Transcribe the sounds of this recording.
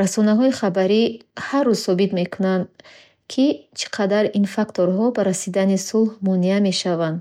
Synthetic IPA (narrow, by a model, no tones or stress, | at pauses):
ɾasɔnaɦɔiχabaɾiharːuzsɔbit̪me̞kʰunand̪ | kʰit͡ʃʰi̥qʰad̪aɾinfakt̪ʰoɾɦɔbaɾasid̪anisulhmɔniame̞ʃavand̪